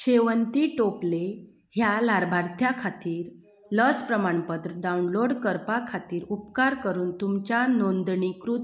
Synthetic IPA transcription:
ɕeʋənt̪iʈople | hjalaɾbʱaɾt̪ʰjakʰat̪iːɾ | ləspɾəmaɳpət̪ɾəɖaunloɽkəɾpakʰat̪iːɾupkaɾkəɾuːnt̪umt͡ɕjanond̪ɳikɾut̪

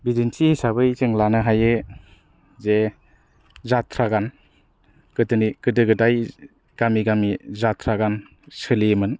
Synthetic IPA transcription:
bidinsisabɯjzɯŋlanɯɦajɯ | ze | zatʰɾaɡan | kɯdɯnikɯdɯɡɯdaj | ɡ̥amiɡamizatʰɾaɡan | sɯlimɯn

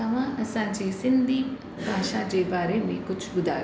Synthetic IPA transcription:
ɐmãːʔɐsãːd͡ʒeːsɪnd̪ʱiː | bʱaːʃãːd͡ʒeːbaːɾemẽːkʊt͡ʃʰɡʊd̪a̰ː

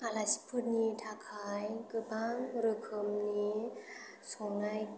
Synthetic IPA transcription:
palasi̥pʰut̪̚niːt̪ʰaːkʰaːjkɯbaːŋɾɯkʰɯmni | soŋnaj

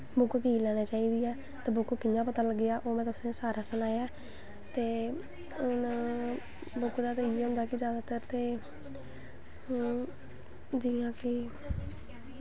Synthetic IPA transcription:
bʊkkiːlɛːneːt͡ʃaːiːd̪iːɛː | t̪eːbʊkkɪjãːpət̪aːləɡːɪjaːʔoːmɛ̃ːt̪ʊsẽːsaːɾaːsənaːjaː | t̪eː | n | bʊkd̪aːt̪eiəmd̪aːkɪd͡ʒjaːd̪aːt̪əɾt̪eː | d͡ʒɪːãːkɪ

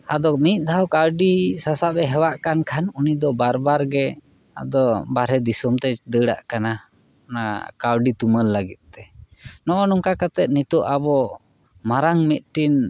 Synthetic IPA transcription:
ad̪ɔmit̪̚ˀd̪ʱawkaɾɖisasabɛɦɛwaʔkankʰanunid̪ɔbaɾbaɾɡɛ | a̰d̪ɔbaɾɛd̪isɔmt̪ɛd̪əɽa̰ʔkana | nakaɾɖit̪uməlːəɡit̪̚ˀt̪ɛnɔʔɔnuŋkakat̪ɛt̪̚nit̪uʔabɔ | maɾaŋmit̪̚ʈin

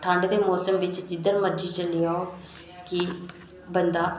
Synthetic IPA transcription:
ʈʰə̃ɳɖd̪eːmoːsəmʋɪt͡ʃd͡ʒɪd̪əɾməɾd͡ʒiːt͡ʃəlijao | kɪ | bənd̪aː

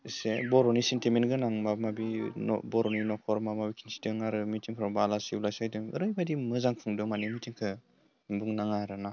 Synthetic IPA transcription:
isebɔɾɔnisentimenɡɯnaŋmamabinɔ̰bɔɾɔninɔkʰɔɾmamabikʰinsi̥dɯŋaɾɯmitʰiŋkʰɾɔŋbalasiblajsajdɯŋɯ̰ɾɯjbadimɯzaŋpʰɯŋdɯmanimitʰiŋkʰɯ | buŋnaŋaaɾana

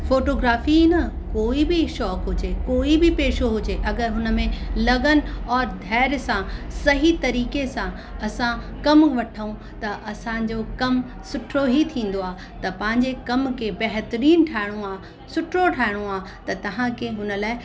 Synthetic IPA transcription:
foːʈoːɡɾaːfinɐ | koːibɪʃɔːkɦʊd͡ʑekoːibɪpeːʃoɦʊd͡ʑeʔɐɡəɾɦʊnə̆mẽlɐɠənɪ̆ɔːɾd̪ʱɛːɾsãsɐɦit̪ɐɾiːkesã | ɐsãkɐmʋɐʈʰəũ | t̪ɐʔɐsãd͡ʑokɐm | sʊʈʰɾoɦit̪ʰĩːn̆d̪oaː | t̪ɐpɐ̃ɦɪ̃ɲd͡ʑekɐmkʰebɐɦt̪əɾiːnʈʰaːɪɽ̃õaː | sʊʈʰɾoʈʰaːɪɽ̃õaː | t̪ɐt̪ɐɦãkʰeɦʊnə̆laːɪ

